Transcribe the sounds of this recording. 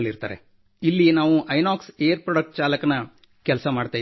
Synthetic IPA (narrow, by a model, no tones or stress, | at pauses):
lːiɾt̪a̰ːɾḛ | ilːinaːʋuʔɐjnaːksejɐɾpɾoɖɐk̚ʈ̚t͡ʃaːlɐkɐnɐ | kɛlsɐmaːɖt̪aːj